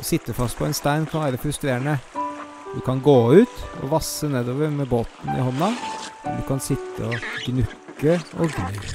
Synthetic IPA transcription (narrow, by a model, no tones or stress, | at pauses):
ɔsɪt̪ːəfɑst̪pʰɔɛnst̪æɪnkʰɑnʋæːɾəfɾʉst̪ɾeːɾəɳə | d̪ʉkʰɑnɡoːʉːt̪ɔ̰ʋɑsːəneːd̪oːʋəɾmɛboːt̪n̩ɪ̰hɔnːɑɛ̰d̪ʉkʰɑnsɪt̪ʰːə̰ɔɡnʉkːəɔɡɾʉː